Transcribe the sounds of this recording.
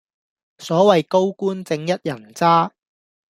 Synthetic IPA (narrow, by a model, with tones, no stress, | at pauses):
sɔː˨˥wɐ˨jko˥wkuː˥nt͡sɪ˧ŋjɐ˥t̚jɐ˨˩nt͡saː˥